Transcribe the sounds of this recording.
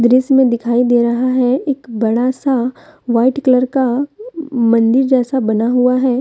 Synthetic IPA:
d̪ɾɪsmẽd̪ɪkʰaːid̪eːɾɐɦaɦɛeːkbɐɽasaʋaːɪʈkləɾka | mɐ̃nd̪ɪɾd͡ʒɛːsabɐnaɦuaɦɛː

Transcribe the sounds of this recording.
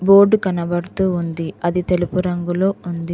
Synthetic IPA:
bo̞ːɾɖkɐnɐbɐɽut̪uːund̪iɐd̪it̪elupuɾɐŋɡulo̞ːund̪i

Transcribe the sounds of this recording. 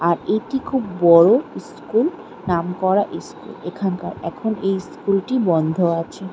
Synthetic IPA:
aɾeʈikʰubːɔɹoskul | namkɔɾaʔeskṵlekʰanka̰ɾɛ̰kʰonejskulʈibɔnd̪ʱoat͡ɕʰe

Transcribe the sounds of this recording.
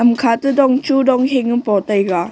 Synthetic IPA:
ɐmkʰatudɔŋt͡ʃudɔŋɦeŋɯnpɔtajɡa

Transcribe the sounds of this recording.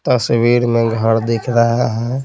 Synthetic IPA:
t̪əsʋiɾmẽɡʱəɾd̪ekʰɾəɦaɦɛ̃

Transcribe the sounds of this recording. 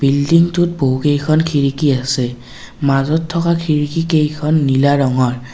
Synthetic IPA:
bildiŋtut̚boɦukejkʰɔnkʰiɹikiasɛ | mazɔtʰːɔkakʰiɹikikejkʰɔnːilaɹɔŋɔɹ

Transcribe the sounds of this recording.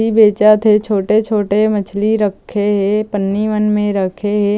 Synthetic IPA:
ibeːt͡ʃat̪ʰet͡ʃʰoːʈet͡ʃʰoːʈemɐt͡ʃʰliɾəkʰːeɦepənːiʋənmẽɾəkʰeɦe

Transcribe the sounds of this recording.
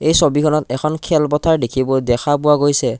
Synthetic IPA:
ejsobikʰɔnɔtɛkʰɔnkʰɛlpɔtʰaɹdekʰibɔdɛkʰapʊwaɡojsɛ

